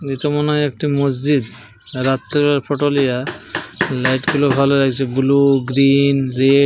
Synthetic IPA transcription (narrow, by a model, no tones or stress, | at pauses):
itɔmɔnek̚ʈimos̬d͡ʒid̪ | ɾat̪ːebaɾpʰɔʈolija | lajʈɡulobʱaloɾaɡt͡ʃʰebuluɡɾinɾe